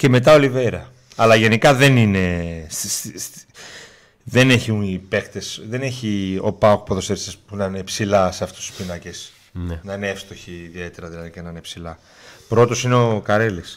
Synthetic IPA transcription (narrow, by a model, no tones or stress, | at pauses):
ce̞me̞t̪ɐoliveɾɐ | ɐlɐʝe̞nikɐðe̞nine̞ss | ðe̞ne̞çiipe̞xt̪e̞sðe̞ne̞çio̞̰pɐokpoðo̞seisɐspunɐine̞psilɐseɐft̪u̥su̥spinɐces | nnɐineefst̪o̞çiːðie̞t̪e̞ɾɐðilɐðicenɐinepsilɐ | pɾo̞t̪o̞sineokɐɾelis